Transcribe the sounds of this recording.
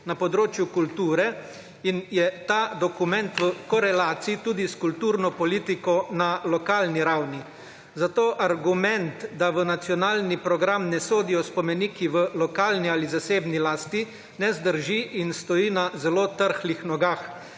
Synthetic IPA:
napɔd̪ɾoːt͡ʃjukult̪uːɾɛ | injɛt̪aːd̪ɔkumɛnt̪ʋəkɔɾɛlaːt̪siit̪uːd̪iskult̪uːɾnɔpɔliːt̪ikɔnalɔkaːlniɾawni | zat̪oːʔaɾɡumɛnt̪d̪aʋənat̪sjɔnaːlnipɾɔɡɾamnɛsoːd̪ijɔspɔmɛniːkiʋəlɔkaːlnializaseːbnilaːst̪i | nɛzd̪əɾʒiʔːnst̪ɔjiːnazɛloːt̪əɾxlixnɔɡax

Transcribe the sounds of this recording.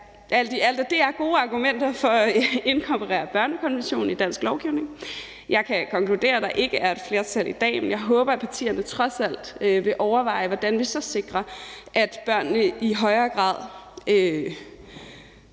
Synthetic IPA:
ʔæld̥iæl̰d̥əd̥eæɐɡ̥o̝ːɑ̈ɡ̥umen̰d̥ɐfɒ̽e̝nkʰɒ̽mpʰoʁɛ̰ːɐb̥ɶɐnəkʰɒ̽nʋenɕo̝̰ːn̩id̥æn̰sɡ̥lɒʊɡ̥iʊne̝ŋ | jɑ̈ɪkʰækʰɒ̽ŋkʰlud̥e̝̰ːɐd̥ɑ̈ʔe̝ɡ̥əʔæɐe̝d̥fle̝ɐt͡sʰæl̰id̥ɛ̰ːmenjɑ̈ɪɦɔ̽ːb̥ɐæpʰɑ̈t͡sʰḭːɐnət͡sʰʁɒ̽sæl̰d̥øʋe̝ʔɒʊɐʋɑ̈ɪʋɒd̥ænʋisɒ̽se̝ɡ̥ʁɐʔæd̥b̥ɶɐ̰nːəʔiɦɒ̽ɪɐːɡ̥ʁɑ̰̈ːð̰ˠø

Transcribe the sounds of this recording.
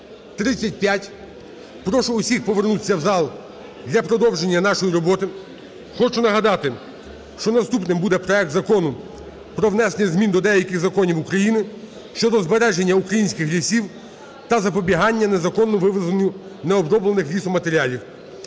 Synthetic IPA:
t̪ɾɪt͡sʲːɐt̚ʲpʲjatʲ | pɾɔʃʊʊsʲixpɔʋe̞rnut̪ɪsʲːɐwzɑlˠ | d̪ʲlʲɐpɾɔd̪ɔwʒe̞nʲːɐnɑʃɔjiɾɔbɔt̪ɪ | xɔt͡ʃʊnɐɦɐd̪ɑt̪ɪ | ʃt͡ʃɔnɐst̪upnɪmbud̪ɛpɾɔɛk̚t̪zɐkɔnʊ | pɾɔwnɛsenʲɪzmʲind̪ɔd̪ɛjɐkʲɪɣzɐkɔnʲiwukɾɐjinɪ | ʃt͡ʃɔd̪ɔzbeɾɛʒe̞nʲːɐukɾɐjinʲsʲkɪxɦlʲisʲiw | t̪ɐzɐpɔbʲiɦɑnʲːɐnezɐkɔnːɔʋɪʋɪzɐnʲʊ | nɛɔbɾɔblˠenɪxlʲisɔmɐt̪eɾʲiɑlʲiw

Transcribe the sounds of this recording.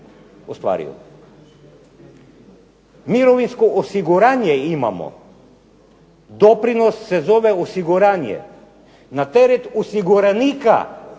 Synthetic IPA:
ost̪ʋa̰ɾḭṵ | miɾoʋinskoʔosiɡuɾanjɛima̰mo̰ | d̪opɾinosːɛzoʋɛosiɡuɾanjɛ̰ | nat̪ɛɾɛt̪osiɡuɾanika̰

